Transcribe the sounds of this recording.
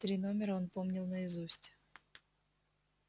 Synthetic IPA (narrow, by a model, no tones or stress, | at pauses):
t̪ɾʲino̞mʲɪɾəonpomnʲɪlˠnəɪzusʲtʲ